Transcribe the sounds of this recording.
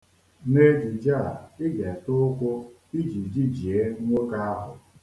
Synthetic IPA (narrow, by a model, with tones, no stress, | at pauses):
ne˦d͡ʒi˨d͡ʒa˦a̰˨ɪ˦ɡe˨tʊ˦kʷʊ˦ | i˦d͡ʒi˨d͡ʒi˦d͡ʒi˨e˦ŋʷo˦ka˦a˦ɦʊ˨